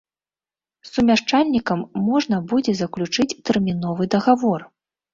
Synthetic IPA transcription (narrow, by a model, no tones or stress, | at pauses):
sumʲaʂt͡ʂalʲnʲikɐmːɔʐnɐbud͡zʲɛzɐklʲut͡ʂɨt͡sʲt̪ɛrmʲinɔvɨd̪ɐɣavɔr